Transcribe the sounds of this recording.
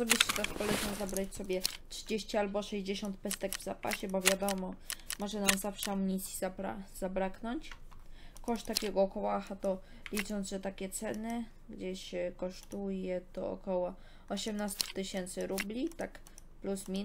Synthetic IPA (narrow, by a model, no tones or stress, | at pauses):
sɔbʲiʂt͡ɕɛt̪akpɔlɛznɔzabɾat͡ɕsɔbʲjɛtʂɘd͡ʑeɕt͡ɕialbɔʂɛʑd͡ʑeɕɔnt̪̚pɛst̪ɛɡvzapa̰ɕɛbɔvʲjad̪ɔmɔmɔʐɛnamzafʂɛamɲisʲizabɾa̰z̥abɾaknɔɲt͡ɕ | kɔʂt̪t̪ːakʲɛɡɔːkɔwaxat̪ɔ | lʲit͡ʂɔnd̪ʐɛt̪akʲɛt̪sɛnɘ | ɡd͡ʑeɕɛkɔʂt̪ujɛt̪ɔ̰ɔ̰kɔwɔ | ɔɕɛmnast̪u̥t̪ɘɕɛnt̪sɘɾublʲit̪ak | plusmʲi